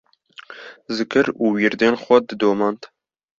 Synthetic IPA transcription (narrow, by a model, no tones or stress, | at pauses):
zɨkɨɾuːwiɾd̪eːnxʷɛd̪ɨd̪oːmɑːnt̪